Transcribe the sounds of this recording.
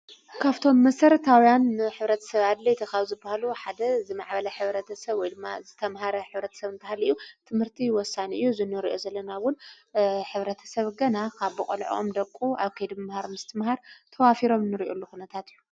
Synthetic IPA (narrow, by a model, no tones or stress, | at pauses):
kʰaβt̪ʰo̞mːɐsɐɾɐt̪ʰawijanħɨβɾɐt̪ʰɐ̥sɐβad̪lɐjt̪ʰɐxaβuzɨbːahaluħad̪ɐzɨmaʕbɐlɐħɨβɾɐt̪ʰɐsɐβwɔjd̪ɨmːa̰zɨt̪ʰɐmhaɾɐħɨβɾɐt̪ʰɐ̥sɐβɨnt̪ʰahalɨjːut̪ʰɨmhɨɾt̪ʰiwɔsːaniʔɨjːuzɨnːɨɾiʔozɐlːɐnawʊn | ħɨβɾɐt̪ʰɐ̥sɐβɡɐnakʰaβːɨkʼolʕo̰md̪ɐkʼːuaβkʰɐjd̪mɐmhaɾmɨst̪ʰɨmhaɾt̪ʰɐwafiɾo̞mnɨɾiʔolːukunɐt̪ʰat̪ɨjːu